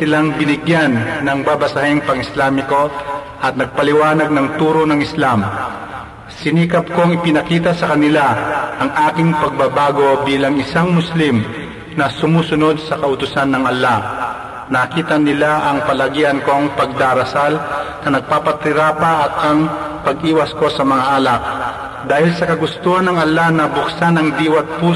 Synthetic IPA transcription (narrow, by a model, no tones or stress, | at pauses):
sɪlaŋbɪnɪɡjanːɐŋbabɐsahɪŋpɐŋɪslaːmɪko̞ | ʔɐt̪̚nɐɡ̚pɐlɪwaːnɐɡ̚nɐŋt̪uːɾonɐŋɪslam | sɪniːkɐpkoŋɪpɪnɐkiːt̪ɐsɐkɐnɪlaʔɐŋʔaːkɪŋpɐɡ̚babaːɡo̞biːlɐŋɪsaŋmʊslim | nɐsʊmuːsʊnod̪̚sɐkɐʔʊt̪ʊsanːɐŋʔɐlːa | nɐkiːt̪ɐnɪlaʔɐŋpɐlɐɡiʔɐnko̞ŋpɐɡ̚d̪aːɾɐsalnɐnɐɡ̚paːpɐt̪ɪɾaːpaʔɐt̪̚ɐŋ | pɐɡʔiːwɐsko̞sɐmɐŋaʔalak̚ | d̪aːhɪlsɐkɐɡʊst̪uːhɐnːɐŋʔɐlːanɐbʊksanɐŋd̪iːwɐt̪̚puː